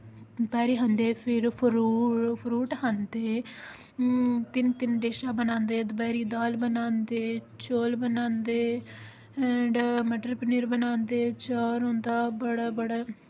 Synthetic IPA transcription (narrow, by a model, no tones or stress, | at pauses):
bɛːɾiːɦə̃nd̪eːpʰɪɾpʰɾuːpʰɾuːʈɦənd̪eː | t̪ɪnt̪ɪnɖeːʃaːbənãːnd̪eːd̪əbɛːɾiːd̪aːlbənãːnd̪eː | t͡ʃoːlbənãːnd̪eː | ɛːɖməʈəɾpəniːɾbənaːnd̪eːt͡ʃaːɾɦõːnd̪aːbəɽaːbəɽaː